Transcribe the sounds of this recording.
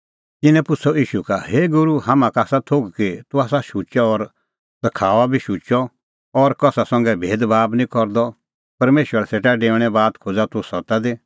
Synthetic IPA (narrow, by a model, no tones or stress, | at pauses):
t̪ɪnɛ̃pʊt͡sʰɔiːʃukaɦeːɡʊɾuhamãkaːsat̪ʰoɡkit̪ʊaːsaʃut͡ʃaɔɾ | sɐkʰaːʋabʱiʃut͡ʃɔ | ɔɾkɔsasɔ̃ŋɡɛbʱeːd̪baːbnĩkɔɾd̪ɔ | pɐɾmeːʃwəɾaseːʈaɖeːʋɽ̃ɛbaːd̪kʰod͡zat̪ʊsɔt̪ad̪i